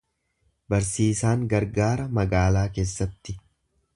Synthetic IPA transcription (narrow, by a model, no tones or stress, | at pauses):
bɐɾsiːsaːŋɡɐɾɡaːɾɐmɐɡaːlaːke̞ːsːɐt̪ːɪ